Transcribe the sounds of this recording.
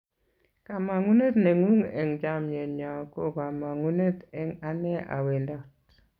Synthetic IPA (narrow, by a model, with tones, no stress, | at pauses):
ka˨ma˨ŋu˦ne˦tnɛ˨ŋu˦ŋɛ˨ŋd͡ʒa˦mɲe˨ɲa˨ko˦ka˨ma˨ŋu˦ne˦tɛ˦ŋa˦nɛ˦a̰˨we˨ndɔ˦t